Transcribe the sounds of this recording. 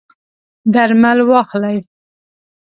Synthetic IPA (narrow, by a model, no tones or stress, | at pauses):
d̪aɾmalwɑxlaj